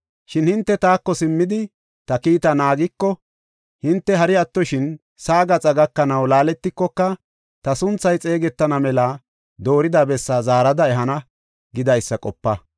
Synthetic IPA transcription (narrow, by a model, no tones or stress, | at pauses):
ʃɪnhɪnt̪ːɛt̪aːkːɔsɪmːɪd̪ɪ | t̪ɐkiːt̪ɐnaːɡɪkːɔ | hɪnt̪ːɛɦɐɾɪɐt̪ːɔʃɪn | saːɡɐt͡sʼɐɡɐkːɐnɐwlaːlɛt̪ːɪkːɔkːɐ | t̪ɐsʊnt͡sːɐjt͡sʼe̞ːɡɛt̪ːɐnɐmɛlɐ | d̪o̞ːɾɪd̪ɐbɛsːazaːɾɐd̪ɐɛɦɐnɐ | ɡɪd̪ɐjsːɐkʼɔpːɐ